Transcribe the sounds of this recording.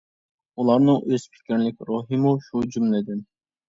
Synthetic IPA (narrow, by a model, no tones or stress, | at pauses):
ulˠɑɾnɨŋʔøz̥pʰɪ̥kʲʰiɾlɪkʲɾoɦimuʃud͡ʒymlɪd̪ɪn